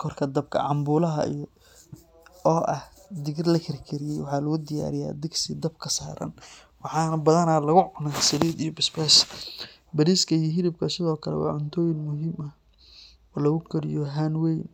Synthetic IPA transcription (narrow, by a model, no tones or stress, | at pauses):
kʰɔrkʰɐd̪ɐb̚kʰɐ̰ʕɑmbuːlɐɦɐ̰ḭj | ɔːʔɐh | d̪ɪɣɪrlɐkʰɐɾkʰɪɾɪjɛjwɑħɑːlɐɣʊd̪ɪja̰ːɾɪja̰ːd̪ɪɡsɪd̪ɐb̚kʰɐsaːɾɐ̰n | wɑħɑːnɐbɐðɐnalɐɣʊʕʊnaːsɐliːd̪ijɔbɪsbɛːs | bɐɾiːskʰɐijɔɦɪlɪb̚kʰɐsɪðɔːkʰɐlɛ̰wɑ̰ːʕʊnt̪ʰɔːjɪnmʊɦimɐ | ɔːlɐɣʊkʰɐɾɪjɔɦanwɛjn